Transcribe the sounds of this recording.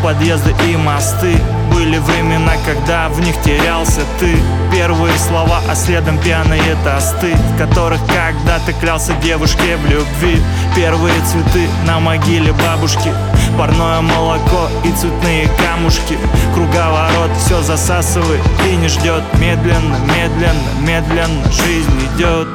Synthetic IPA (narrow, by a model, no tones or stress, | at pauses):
pɐd̪je̞zd̪əʔɪmɐst̪ɨ | bɨlʲɪvɾʲɪmʲɪnakɐɡd̪avnʲixtʲɪɾʲalˠsʲət̪ɨ | pʲe̞rvɨjəslˠɐvaʔɐsʲlʲe̞d̪əmpʲɪanɨjət̪ɐst̪ɨfkɐt̪o̞ɾɨxkɐɡ̚d̪at̪ɨklʲalˠsʲədʲe̞vʊʂkʲɪvlʲʊbvʲi | pʲe̞rvɨjət̪svʲɪt̪ɨ | nəmɐɡʲilʲɪbabʊʂkʲɪ | pɐrno̞jəməlˠɐko̞ | it̪svʲɪt̪nɨjəkamʊʂkʲɪkɾʊɡavɐɾo̞t̪fsʲozɐsasɨvəjɪt̪inʲɪʐdʲot̪mʲed̪lʲɪnːəmʲe̞d̪lʲɪnːə̰mʲe̞d̪lʲɪnːəʐɨzʲnʲɪdʲot̪